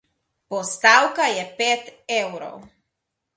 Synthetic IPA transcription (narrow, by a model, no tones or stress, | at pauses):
pɔst̪awkajɛpeːt̪ɛwɾɔ̰w